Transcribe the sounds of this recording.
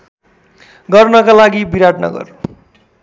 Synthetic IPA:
ɡʌrnʌkalaɡibiɾaʈnʌ̰ɡʌ̰r

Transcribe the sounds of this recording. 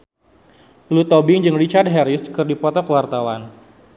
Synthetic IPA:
lut̪ɔbɪŋd͡ʒɨŋrit͡ʃard̚ɦɛɾɪskɨrdipɔt̪ɔkəwart̪awan

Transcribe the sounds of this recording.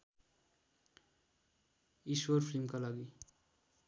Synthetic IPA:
isuaɾfʰɾimkalaɡi

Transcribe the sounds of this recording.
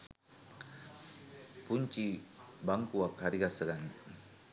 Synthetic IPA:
puɲt͡ʃibaŋkuakaɾiɡasəɡani

